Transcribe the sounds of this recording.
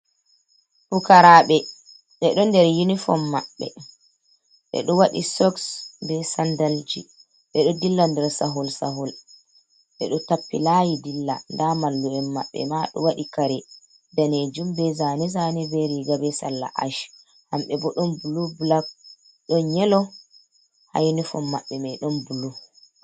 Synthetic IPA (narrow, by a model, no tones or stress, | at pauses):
fukaɾaɓɛ | ɓɛɗɔndɛɾjunifɔ̰mːaɓːɛ̰ | ɓɛ̰ɗɔwaɗisɔksdɛsandald͡ʒḭ | ɓɛɗɔdilːandɛɾsaɦɔlsaɦɔl | ɓɛ̰ɗɔtapːilajidilːa̰ndamalːuɛmːaɓːɛ̰maɗɔ̰waɗikaɾɛ | daned͡ʒumbɛzanɛzanɛbɛɾiɡabɛsalːa̰ʔa̰ʃ | hamɓɛbɔɗɔnbulublak̚ | ɗɔɲɛlɔ | ha̰jnifɔmːaɓːɛmɛɗɔnbulu